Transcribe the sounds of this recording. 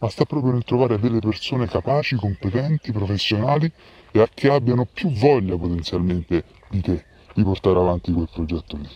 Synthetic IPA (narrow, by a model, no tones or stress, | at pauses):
mast̪apːɾɔːpɾjonelt̪ɾovaːɾed̪elːepersoːnekapaːt͡ʃikompet̪ɛnt̪ipɾofesːjonaːli | eakːeabːjanopjuvːɔʎːapot̪ent̪sjalment̪e | d̪it̪e | d̪̥iport̪aːɾeavant̪ikwelpɾod͡ʒɛt̪ːoli